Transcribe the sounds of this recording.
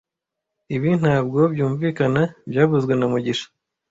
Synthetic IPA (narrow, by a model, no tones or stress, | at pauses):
iβin̥haːb̚ɡo̞bjuːɱviːkanabjaːβuzɡwe̞namuɟiʃḁ